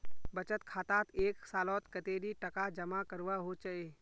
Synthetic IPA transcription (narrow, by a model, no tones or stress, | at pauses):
bət͡ʃət̪kʰaːt̪aːt̪eːksaːlɔt̪kət̪eːɾiʈəkad͡ʒəmakəɾʋaɦot͡ʃae